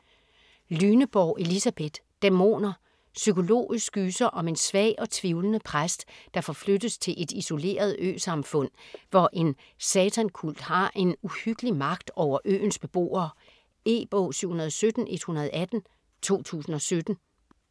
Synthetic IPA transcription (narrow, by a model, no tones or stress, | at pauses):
lyːnəb̥ɒʊʔe̝lisæb̥e̝d̥ːemo̝̰ːnɐ | sykʰo̝lo̝̰ːisɡɡ̥yːsɐʔɒ̽me̝nsʋɛ̰ɪɒ̽t͡sʰʋiʊlənəpʰʁasd̥d̥ɑ̈fɒ̽flød̥əst͡sʰe̝lʔe̝d̥iso̝le̝̰ːɐð̞ˠø̰ːsɑ̈mfɔ̽n̰ʋɒʔe̝n | sɛt͡sʰænkʰul̰d̥hɑ̈ʔe̝nuhyɡ̥əlimɑ̈ɡ̥d̥ɒʊ̰ɐʔø̰ːn̩sb̥e̝b̥o̝̰ːɐː | e̝̰ːb̥ɔ̰ːsyʊ̰hunɐð̞ˠɒsød̥n̩ʔe̝d̥hunɐð̞̩ˠæd̥n̩ | t͡sʰo̝̰ːt͡sʰṵːsn̩ɒ̽sød̥n̩